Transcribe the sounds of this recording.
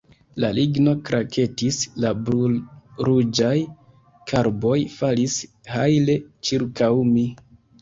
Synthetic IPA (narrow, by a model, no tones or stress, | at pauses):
laliɡno̞kɾʔakʰe̞tisla | ɾud͡ʒaj | kʰaɾbo̞jfalis | hajle̞t͡ʃiɾkawmi